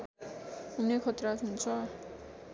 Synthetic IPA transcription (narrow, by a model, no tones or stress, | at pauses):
unekʰʌt̪rat̪ɦunt͡sʰʌ